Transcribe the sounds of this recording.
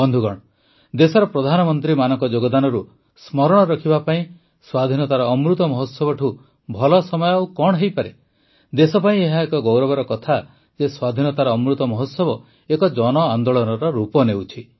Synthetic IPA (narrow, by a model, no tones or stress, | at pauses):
bɔnd̪ʱuɡɔɽ̃ | d̪esɔɾɔpɾɔd̪ʱanɔmɔnt̪ɾimanɔŋkɔd͡ʒoɡɔd̪anɔɾu | smɔɾɔɽ̃ɔɾɔkʰibapaĩ | swad̪ʱinɔt̪aɾɔːmɾut̪ɔmɔɦɔt̪sɔbɔʈʰu | bʱɔlɔsɔmɔjɔawkɔɽ̃ɦejpaɾe | d̪esɔpaĩeɦaekɔɡɔwɾɔbɔɾɔkɔt̪ʰa | d͡ʒeswad̪ʱinɔt̪aɾɔːmɾut̪ɔmɔɦɔt̪sɔbɔ | ekɔd͡ʒɔnɔand̪oɭɔnɔɾɔɾupɔnewt͡ʃʰi